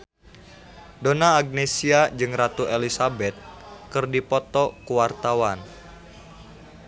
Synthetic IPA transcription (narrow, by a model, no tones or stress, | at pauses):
donaːɡ̚nesiad͡ʒɨŋrat̪uʔelisabɛt̪̚kɨrdipɔt̪ɔkuwart̪awan